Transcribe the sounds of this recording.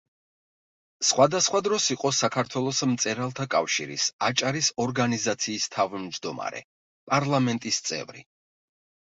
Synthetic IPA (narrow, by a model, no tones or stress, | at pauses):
sχwad̪asχwad̪ɾɔsiqʼɔsakʰaɾt̪ʰwɛlˠɔsmt̪sʼɛɾalˠt̪ʰakʼafʃḭɾḭsat͡ʃʼaɾisɔɾɡanizat̪sʰiːst̪ʰavmd͡ʒd̪ɔma̰ɾɛ̰ | pʼaɾlˠamɛnt̪ʼist̪sʼɛ̰vɾḭ